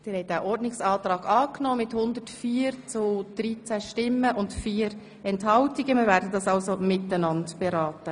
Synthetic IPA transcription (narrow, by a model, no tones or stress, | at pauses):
d̥ɪːɾhɛɪjtæʔɔɾdnɪksɑːtɾɑːɡɑːknoːmɪthʊnd̪ətfiːəɾt͡sʊd̥ɾit͡sæʃtɪmːəʔʊntfiːəɾ | ɛnthɑltiɡəmɪːɾvæːɾdədɑsɑlsomɪtːənɑndb̥ɛɾɑːtə